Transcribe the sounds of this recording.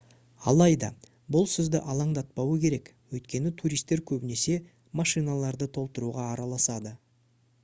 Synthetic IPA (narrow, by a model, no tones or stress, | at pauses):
ɑ̰lˠɑjd̪ɑ | bʊlˠsʏzd̪ɪʔɑlˠɑɴd̪ɑt̪̚pɑwəkʲʰe̞ɾe̞k | wɵjt̪kʲe̞nɪt̪ʰuɾijst̪ːe̞ɾkʲʰɵbɪne̞se̞ | mɑʃijnalˠɑɾd̪ət̪ʰo̞lˠt̪əɾuʁɑːɾɑlˠɑsɑd̪ə